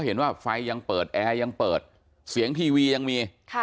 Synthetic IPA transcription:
wɦe˩˦nwaː˥˩fa˧jːa˧ŋpɤː˨˩t̪̚ʔɛː˧ja˧ŋpɤː˨˩t̪̚ | si˩˦əŋt̪ʰiː˧wiː˧ja˧ŋmiː˧

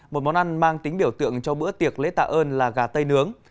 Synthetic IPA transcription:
mo˨˩t̚mɔ˨˦nʔa˧jŋ̟maː˧ŋt̪ï˨˦ŋ̟ɓi˧˩əwt̪ɨ̰˧˨əŋt͡ɕɔ˧ɓɨ̰˧˥ət̪i˨˩ək̚lḛ˧˥t̪a̰ː˧˨˩ʔəː˧nlaː˨˩ɣaː˨˩t̪ə˧jnɨ˨˦əŋ

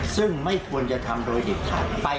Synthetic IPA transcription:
sɯ˥˩ŋma˥˩jkʰu˧ənt͡ɕa˨˧ʔt̪ʰa˧mdoː˧jde˨˩k̚t̪ʰa̰ː˨˩t̚pa˧

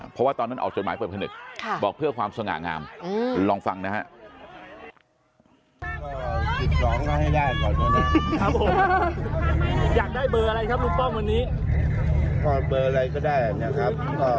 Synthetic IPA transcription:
pʰɔ˦˥waː˥˩t̪ɔː˧nːa˦˥˩ʔa̰˨˩t͡ɕo˨˩t̪̚maː˨˩˦pɤː˨˩t̚pʰa˧nɯ̰˨˩k̚kʰa˧˩bɔː˨˩k̚pʰɯ˥˩əkʰwaː˧msa˧ŋa̰ː˨˩ŋa̰ː˧m˧lɔː˧ŋfa˧ŋna˦˥ha̰˦˥ʔ | ki˨˩t̪̚sɔː˩˦ŋlɔ˥˩ha˥˩jdaː˥˩jk̪ɔː˨˩na˦˥˩na˦˥˩ʔa˧˨˧ | jaː˨˩k̚daː˥˩jbɤː˧ʔa˧ɾa˧jkʰa˦˥p̚du˧˥pɔ˥˩ŋwa˧nːiː˦˥ | pɔː˥˩bɤː˧ʔa˧ɾa˧jkɔː˥˩daː˥˩jha˨˩ni˦˥˨kʰɾa˦˥p̚ | ɔː˧˩

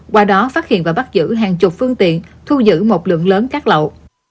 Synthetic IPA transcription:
kwaː˧ɗɔ˨˦faː˦˥t̚hḭ˧˨ənvaː˨˩ɓa˦˥t̚zɨ̰˧˥ɦaː˨˩ŋt͡ɕʊ˨˩k͡p̚fɨ˧əŋt̪ḭ˧˨ənt̪ʰu˧zɨ̰˧˥mo˨˩t̚lɨ̰˧˨əŋləː˨˦nkaː˦˥k̚lə̰˧˨w

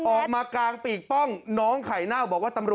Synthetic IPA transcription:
ʔɔː˨˩k̚maː˧klaː˧ŋpiː˨˩k̚pɔ˥˩ŋnɔː˦˥ŋkʰa˩˦jnaː˥˩wbɔː˨˩k̚waː˥˩t̪a˧mɾu˨˩

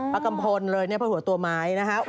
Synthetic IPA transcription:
pa˦˥ka˧mpʰo˧nlɤː˧jni˥˩pʰaː˥˩hu˩˦t̪u˧ɐmaː˦˥jna˦˥kʰa˦˥

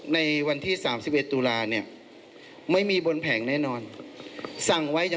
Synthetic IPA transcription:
na˧jwa˧nt̪ʰiː˥˩saː˩˦msi˨˩p̚ʔe˨˩t̪ːuː˧laː˧ni˥˩ɐ | ma˥˩jmiː˧bo˧npʰɛː˩˦ŋnɛː˥˩˨nɔː˧n | sa˨˩ŋwa˦˥ja˨

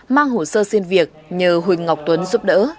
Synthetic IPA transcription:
maː˧ŋɦo˧˩səː˧si˧nvi˨˩ək̚ɲəː˨˩ɦwï˨˩ŋ̟ŋa˨˩wk͡p̚t̪wə˨˦nzu˦˥p̚ɗə̰ː˧˥

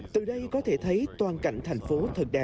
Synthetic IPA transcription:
t̪ɨ˨˩ɗə˧jkɔ˨˦t̪ʰe˧˩t̪ʰə˨˦jt̪waː˨˩nka̰˧˨jŋ̟t̪ʰaɛ˨˩jŋ̟fo˨˦t̪ʰə˨˩k̚ɗaː˨˩

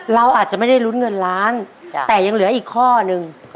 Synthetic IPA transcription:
ɾa˧wʔaː˨˩t̪̚t͡ɕa˨˩ma˥˩jda˥˩jlu˦˥n̚ŋɤ˧nɾaː˦˥nt̪ɛː˨˩ja˧ŋlɯ˩˦ɐʔiː˨˩kʰːɔː˥˩nɯ˧ŋ

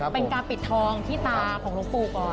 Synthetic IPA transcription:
pe˧nkaː˧npi˨˩t̪ʰːɔː˧ŋt̪ʰiː˥˩t̪aː˧kʰɔː˩˦ŋlo˦˥k̚puː˧˩kɔː˨˩n

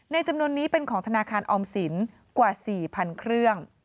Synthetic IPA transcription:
na˧jt͡ɕa˧mnu˧ənːiː˦˥pe˧nkʰɔː˩˦ŋt̪ʰa˧naː˧kʰaː˧nʔɔː˧msi˩˦n | kwaː˨˩siː˨˩pʰa˧nkʰɾɯ˥˩əŋ

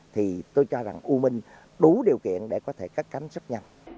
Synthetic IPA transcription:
t̪ʰi˨˩t̪o˧jt͡ɕɔ˧za˨˩ŋʔu˧mï˧ŋ̟ | ɗu˨˦ɗi˨˩əwkḭ˧˨ənɗe˧˩kɔ˨˦t̪ʰe˧˩kə˦˥k̚kːa˨˦ŋ̟sə˦˥t̚ɲa˧w

